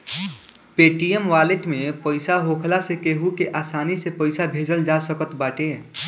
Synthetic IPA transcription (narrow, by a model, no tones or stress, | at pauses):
peʈiemʋaleʈmepəɪsaɦokʰlasekeɦukeʔasanisepəɪsabʱed͡ʒəld͡ʒasəkət̪baʈe